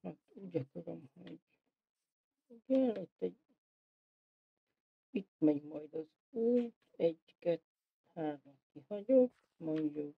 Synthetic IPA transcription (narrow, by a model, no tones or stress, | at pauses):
hat̪uːɟɒkoɾomho̰ɟ | ɡɛlet̪ːɛɟ | it̪̚mɛɲmɒjd̪ɒz | uːjt̪ɛɟ | kɛt̪ | haːɾomkihɒɟok | moɲjo